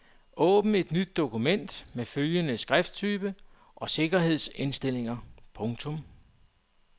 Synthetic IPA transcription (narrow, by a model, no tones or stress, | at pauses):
ʔɔ̰̽ːb̥n̩e̝d̥nyd̥̚ːo̝kumen̰d̥meføljənəsɡ̥ʁɛfd̥̚t͡sʰyːb̥ə | ʔɒ̽se̝ɡ̥ɐɦe̝ð̞̰ˠse̝nsd̥e̝l̰e̝ŋɐpʰɔ̽ŋt͡sʰɔ̽m